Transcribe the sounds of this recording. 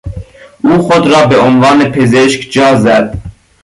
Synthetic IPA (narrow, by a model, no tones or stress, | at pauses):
uːxod̪ɾɑːbeonvɑːnepʰezeʃkd͡ʒɑːzæd̪̥